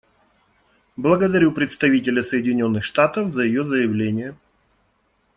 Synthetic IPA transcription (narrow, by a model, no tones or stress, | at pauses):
blˠəɡəd̪ɐɾʲupɾʲɪt̪st̪ɐvʲitʲɪlʲəsəjɪdʲɪnʲo̞nːɨxʂt̪at̪əvzəjɪjozəjɪvlʲenʲɪjə